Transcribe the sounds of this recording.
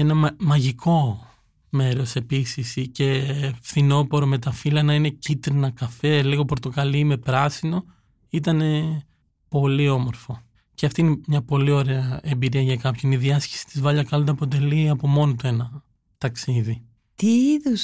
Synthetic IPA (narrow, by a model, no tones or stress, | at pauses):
enɐmɐʝikʰo̞ | me̞ɾo̞se̞pisisice̞fθino̞po̞ɾo̞me̞t̪ɐfilɐnɐine̞cit̪ɾinɐkɐfe̞liɣo̞po̞ɾt̪o̞kɐliime̞pɾɐsino̞ | it̪ɐne̞ | po̞lio̞mo̞ɾfo̞ | ceɐft̪iinemɲɐpo̞lio̞ɾe̞ɐe̞mbiɾiɐʝɐkɐpçoniðiɐsce̥si̥t̪izvɐʎɐkɐlod̪ɐpo̞t̪̬e̞liɐpo̞mo̞not̪oe̞nɐ | t̪ɐksiði | t̪iiðus